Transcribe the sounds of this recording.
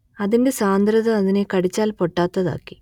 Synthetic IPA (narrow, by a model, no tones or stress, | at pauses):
ɐðinde̞saːnd̪ɾɐðɐɐðine̞kɐɽit͡ɕːaːlpo̞ʈːaːt̪ːɐða̰ːkːi̥